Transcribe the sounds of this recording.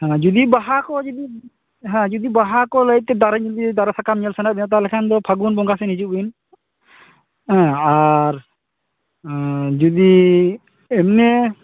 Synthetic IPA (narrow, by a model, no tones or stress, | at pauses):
hɛ̃d͡ʒud̪ibaɦakɔd͡ʒud̪i | ɦɛ̃d͡ʒud̪ibaɦakɔləjt̪̚t̪ɛd̪aɾaɲɛld̪id̪aɾasakamɲɛlsanaʔ̚d̪ɛɔt̪̬alɛkʰand̪ɔpʰaɡunbɔŋɡasɛnid͡ʒuʔin | hɛ̃aɾ | d͡ʒud̪i | ɛmnɛ